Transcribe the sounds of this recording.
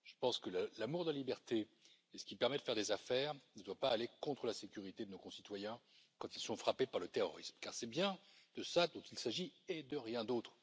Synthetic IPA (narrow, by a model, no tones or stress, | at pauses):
ʒ̥ə̥pɑ̃skəlalamuʁd̪əlalibɛʁt̪eː | sə̥kʲipɛʁmɛd̪əfɛʁd̪ezafɛːʁnəd̪wapaːlekɔ̃t̪χəlasekʲyʁit̪ed̪ənokɔ̃sit̪wajɛ̃ | kɑ̃t̪ilsɔ̃fχapepaʁlət̪eʁɔ̰ʁismkaʁsɛbjɛ̃d̪̥əsad̪ɔ̃t̪ilsaʒied̪əʁjɛ̃d̪ot̪χ